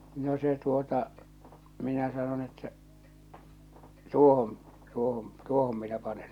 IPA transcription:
no se tuotɑ minæ sɑnon etːæ tuohon tuohon tuohom minæ pɑnen

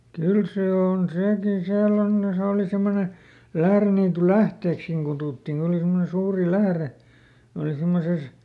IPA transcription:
kyl seː on seˑkin siælː on ne se oˑli semːone læhreniːtulæhteːkskiŋ kutuˑtːiŋ kon oli simːone suːri læhre oli simːoses

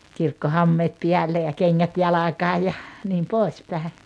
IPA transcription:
kirkːohɑmːeːt piælːe jɑ keŋːæt jɑlɑkɑː jɑ niːm pois pæˑe

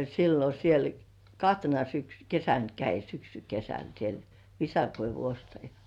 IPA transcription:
silːo siel kɑhtenɑ syksy kesæn kæi syksykesæn siel ʋisɑkoiʋu ostɑjɑ

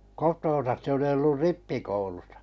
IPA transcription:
kotoːn̞sɑs se oli olːur ripːikoulusɑ̥

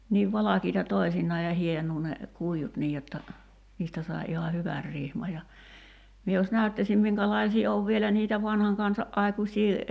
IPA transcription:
niːʋ ʋɑlɑkiːtɑ toi̞sinːɑː jɑ hienuː ne kuijut niːj jotːɑ niːstæ sɑi̞ ihɑ hyʋær rihmɑ jɑ mie jos næytːæsʲim miŋkælɑisiː oʋ ʋielæ niːtæ ʋɑnhɑŋ kɑnsɑʔ ʔɑikusʲiː

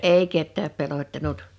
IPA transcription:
eˑi ketːæːp pelotːɑnut

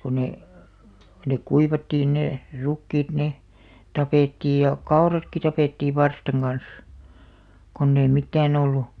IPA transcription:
ko ne nek kuiʋɑtːiːn ne rukːiːt ne tɑpeˑtːiːj jɑ kɑorɑtki tɑpeˑtːiːʋ̆ ʋɑrstɑŋ ɡ̊ɑn̞s konː ei mitːæːn olːu

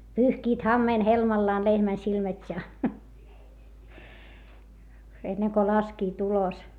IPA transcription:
pyːhkiːt hɑmːeːn helmɑlːɑːn lehmæn silmætʲ jɑ enːeŋ ko lɑskiːt ulos

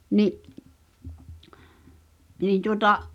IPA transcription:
niʔ niːn̞ tuŏtɑʔ

